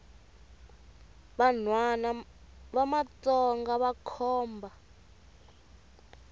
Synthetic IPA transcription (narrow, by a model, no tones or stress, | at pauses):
βanwana | βamat͡sɔŋɡaβakʰɔːmbʱa